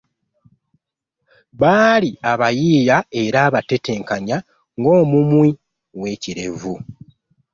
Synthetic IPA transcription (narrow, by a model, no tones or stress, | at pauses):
βaːliaβajiːjae̞ɾaːβate̞te̞ːŋkaɲa | ŋɡo̞ːmumwi | we̞ːciɾe̞̰vu